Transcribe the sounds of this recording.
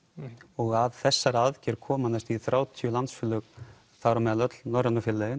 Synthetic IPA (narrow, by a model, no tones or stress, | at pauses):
ɔɣaðθɛsːaɾaðcɛɾkʰɔːmanast̪iθɾaːwt̪ʰijʏlant̪sfʏlːʏk | θawɾamɛðalœt̪lnɔɾanʏfɪlːɛɣɪn